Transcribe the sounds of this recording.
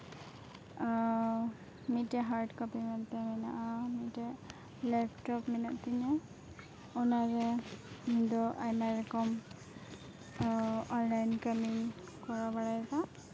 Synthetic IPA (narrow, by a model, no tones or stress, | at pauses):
mitɛɦaɹdkɔpimɛntɛmɛnaʔamitɛ | lɛpʰtɔpminaʔtiɲɛ | ɔnaɹɛmidɔʔajmaɹɛkɔm | ɔnlajnkamiŋ | kɔɹabaɹajka